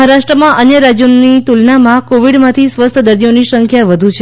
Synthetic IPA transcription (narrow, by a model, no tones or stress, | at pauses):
ɦaɾaʃʈɾəmãʔənjəɾad͡ʒjunːit̪ulnamãkoʋiɽmãt̪ʰisʋəst̪ʰəd̪əɾd̪ionisəŋkʰjaʋəd̪ʱut͡ʃʰe